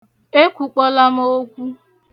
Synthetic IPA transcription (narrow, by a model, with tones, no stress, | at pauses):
e˦kʷu˨k͡pɔ˦la˦mo˦kʷu˦